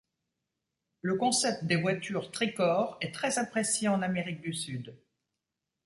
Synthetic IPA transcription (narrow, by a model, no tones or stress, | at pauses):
ləkɔ̃sɛp̚t̪d̪evwat̪yʁt̪χikɔʁɛt̪χɛzapχesjeɑ̃nameʁik̚d̪ysyd̪